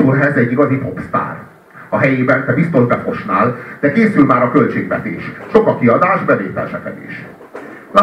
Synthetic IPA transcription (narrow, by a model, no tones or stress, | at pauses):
urɦɛzɛɟːiɡɒzipo̞pst̪a̰ːr | ɒɦɛjeːbɛnt̪ɛbist̪o̞ʒbɛfo̞ʃnaːld̪̥ɛkeːsylmaːɾɒkø̞lt͡ʃeːɡʋɛ̰t̪eːʃʃo̞kɒkiɒd̪aːʒbɛveːt̪ɛ̰lʃɛ̰kɛ̰d̪ḛḭːʃ | la